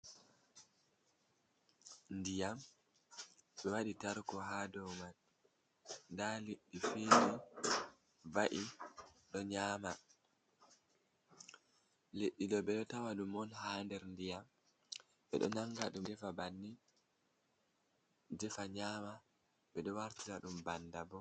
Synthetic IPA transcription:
ndijam | ɓɛwaɗitaɾkɔɦadɔwman | ndaleɗːifeːni | vaʔiɗɔɲaːma | leɗːidɔɓɛɗɔtawaɗumɔnhaːndɛɾndijam | ɓɛ̰ɗɔ̰naŋɡaɗumdɛfabanːi | dɛfaɲaːma | ɓɛɗɔwaɾtilaɗumbandabɔ

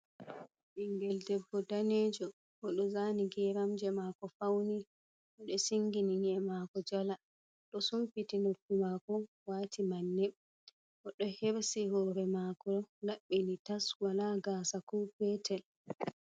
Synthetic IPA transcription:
ʔiŋɡɛldɛbːɔdaned͡ʒɔ | ʔɔɗɔzaniɡɛɾamd͡ʒɛmaːkɔfawni | ʔɔɗɔsiŋɡininɛmakɔd͡ʒala | ɗɔsumpitinofːimakɔ | waːtʰimanːɛ | ʔɔɗɔheɾsihɔːɾɛmaːkɔlaɓːinitaswalaɡaːsakupɛːtʰɛl

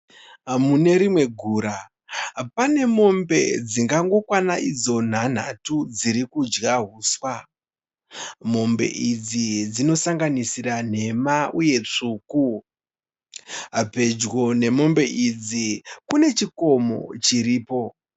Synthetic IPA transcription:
mune̞ɾimwe̞ɡʱuːɾa | pane̞mo̞mbe̞̰d͡ziŋɡaŋɡo̞kwanaʔid͡zo̞n̤an̤a̰tud͡ziɾikud͡ʒɣaɦuːswa | mo̞mbe̞̰ʔid͡zid͡zino̞saŋɡanisiran̤e̞mauje̞t͡ʂuːku | ɦape̞d͡ʒɣo̞ne̞mo̞mbe̞ʔid͡zikune̞t͡ʃiko̞mo̞̰t͡ʃiriːpo̞

